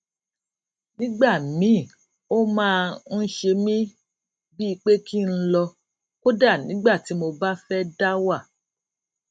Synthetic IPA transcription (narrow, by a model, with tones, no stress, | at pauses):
nĩ˦ɡ͡ba˦˨mĩ˨˦˨ | o˦mãː˦˧n̩˦ʃe˧mĩ˦ | bi˦i˧k͡pe˦kʰi˦n̩˦lɔ˧ | ko˦da˦˨nĩ˨˦ɡ͡ba˦˨ti˨˦mo˧ba˦fɛ˦da˦wa˦˨